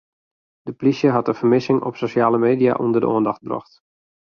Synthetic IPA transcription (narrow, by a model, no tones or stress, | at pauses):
d̥əplisjəɦɑtəv̥ərmɪsɪŋɔ̰psoʃjaːləmeːdia̰ʔundərdə̰oəndɔxt̚brɔ̰xt